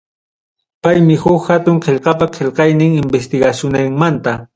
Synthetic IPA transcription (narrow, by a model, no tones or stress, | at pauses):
pajmɪhʊkhat̪ʊŋqeʎqɑpaqʰeʎqɑjnɪŋɪmbest̪ɪɡaʃʊnaŋmant̪a